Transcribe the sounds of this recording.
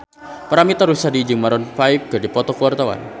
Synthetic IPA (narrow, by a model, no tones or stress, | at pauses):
pəɾamit̪aɾusadid͡ʒəŋmaɾɔnfaɪp̚ɡ̥adipɔt̪ɔkuwart̪awa̰n